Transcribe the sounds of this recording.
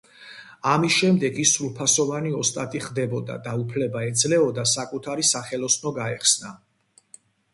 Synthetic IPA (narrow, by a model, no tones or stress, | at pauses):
amisʃɛmd̪ɛɡisulˠpʰasɔvaniɔst̪ʼat̪ʼiχd̪ɛbɔd̪a̰d̪aupʰlɛbaɛd̪zlɛɔd̪asakʼut̪ʰaɾisaχɛlɔsnɔɡaɛχsna